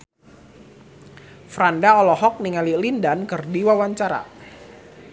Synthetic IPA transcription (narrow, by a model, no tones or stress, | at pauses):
fɾandaɔlɔɦɔk̚niŋalilindankɨrdiwawaɲt͡ʃaɾa̰